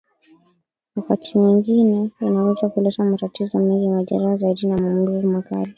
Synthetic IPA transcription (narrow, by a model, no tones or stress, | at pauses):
wakatʰimiŋɡinɛinawɛzakulɛsamatatizɔamilimaʄa̰ɾahazaiɗinamum̩ɗuumaka̰li